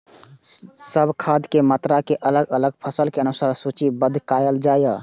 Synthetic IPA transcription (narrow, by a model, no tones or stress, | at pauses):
səbʱkʰad̪ʱkemət̪ɾakeʔələɡələɡpʰəsəlkeənusaɾsut͡ʃibəd̪ʱkajəld͡ʒajə